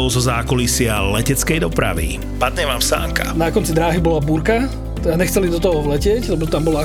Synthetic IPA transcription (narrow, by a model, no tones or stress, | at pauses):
ʊzɔzaːkɔlisɪalɛcɛt͡skɛjd̪ɔpɾa̰ʋḭ | pad̪ɲɛʋaːmsa̰ːŋka̰nakɔnt͡sid̪ɾaːɦibɔlabuːɾka | t̪aɲɛxt͡sɛlid̪ɔt̪ɔɦɔɔʋlɛcɪɛclɛbɔt̪ambɔla